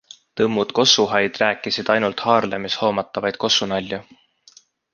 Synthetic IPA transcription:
t̪ɤmːud̪̥ko̞suɦɑjd̪̥ræːkːˑisid̪̥ɑjnult̪hɑːrlemisho̞ːmɑt̪ːˑɑvɑjd̪̥̚ko̞sunɑlʲːju

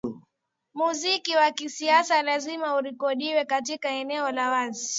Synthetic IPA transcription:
muzikiwakisiasalazimauɾikɔɗiwɛkatikaɛnɛɔlawazi

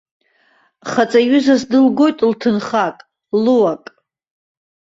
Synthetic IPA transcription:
χat͡sʼaɥʏzasdɨlɡo̞jtʼltʰɨnχakʼ | luwakʼ

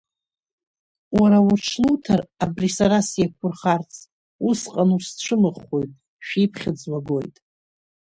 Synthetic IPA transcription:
waɾawurʈ͡ʂʰluwtʰarabrisaɾasjakʷʰʊrχart͡sʰʼ | usqʼanusʈ͡ʂʷʰɨmɨχo̞jtʼ | ʃᶣijpʰχʲɪd͡zmaɡo̞jtʼ

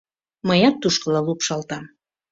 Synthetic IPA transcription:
məjɑt̪ːuʃkəlɑlupʃɑlt̪ɑm

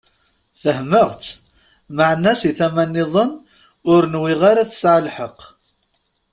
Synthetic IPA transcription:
θəhməʁt̪ | məʕnæsiθæmænːɪðˤən | ʊɾnwɪʁaɾaθə̥sʕəlħəq

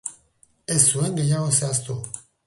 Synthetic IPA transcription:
esueŋɡejaɣoseast̪u

